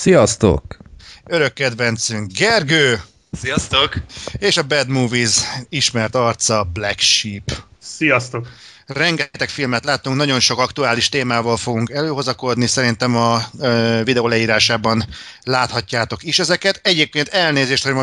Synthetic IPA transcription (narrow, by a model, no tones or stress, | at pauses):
sijɒst̪o̰køɾø̞kːɛd̪vɛnt̪syŋkɡɛrɡøː | sijɒst̪okeːʃɒbɛd̪muːviziʃmɛrt̪ɒrt̪sɒblɛkʃiːpsijɒst̪ok | rɛŋɡɛt̪ɛkfilmɛt̪laːt̪ːuŋknɒɟo̞nʃo̞kɒkt̪uaːliʃt̪eːmaːvɒlfo̞ɡuŋkɛløːɦo̞zɒko̞d̪nisɛɾint̪ɛmɒ | vid̪ɛoːlɛiːɾaːʃaːbɒnlaːt̪hɒcːaːt̪o̞kiʃɛzɛkɛt̪ɛɟeːp̚keːnt̪ɛlneːzeːʃt̪hoɟmo